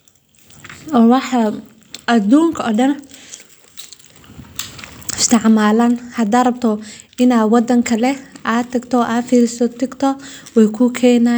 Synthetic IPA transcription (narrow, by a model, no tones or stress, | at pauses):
ɔːwɑħɑ | ɐd̪uːŋkʰɐɔɖɐn | ɪst̪ʰɪʕmaːlaːnhɐd̪aːrɐb̚t̪ʰɔʔɪnaːwɑd̪ɐŋkʰɐlɛʔaːt̪ʰɐɡt̪ʰɔʔaːfiːɾɪsɔt̪ʰɪɡt̪ʰɔwɛjkʰʊkʰɛːna